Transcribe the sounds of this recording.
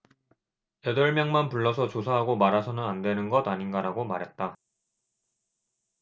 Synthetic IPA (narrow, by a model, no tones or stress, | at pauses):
jʌdʌɭmjʌŋmanpuɭːʌsʰʌt͡ɕosʰaɦaɡomaɾasʰʌnɯnandwe̞nɯnɡʌdaɲinɡaɾaɡomaɾɦe̞t̚t͈a